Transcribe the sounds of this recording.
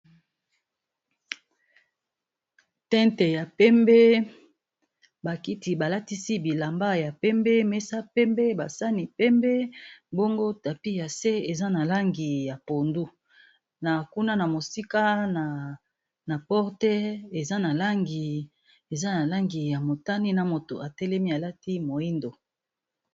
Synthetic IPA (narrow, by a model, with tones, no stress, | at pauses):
tɛ˦nte˨ja˨pɛ˦mbɛ˦ | ba˨ki˦ti˨ba˨la˦ti˦si˦bi˨la˨mba˦ja˨pɛ˦mbɛ˦mɛ˦sa˦pɛ˦mbɛ˦ba˨sa˦ni˨pɛ˦mbɛ˦bo˦ŋɡo˦ta˨pi˦ja˨se˦e˨za˦na˨la˦ŋɡi˨ja˨po˨ndu˦ | na˨ku˦na˦na˨mo˨si˦ka˦na˨ | na˨pɔ˦ʁtɛ˦e˨za˦na˨la˦ŋɡi˨ | e˨za˦na˨la˦ŋɡi˨ja˨mo˨ta˦ni˦na˨mo˨to̰˨a˨tɛ˦lɛ˦mi˦a˨la˦ti˦mo˨i˦ndo˨